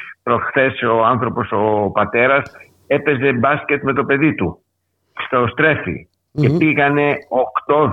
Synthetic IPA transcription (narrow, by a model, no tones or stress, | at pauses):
pɾo̞sxθe̞soɐnθɾo̞po̞so̞pɐt̪e̞ɾɐs | e̞pe̞ze̞bɐsce̞t̪me̞t̪o̞pe̞ðit̪u | st̪o̞st̪ɾe̞fḭ | cepiɣɐne̞okt̪o̞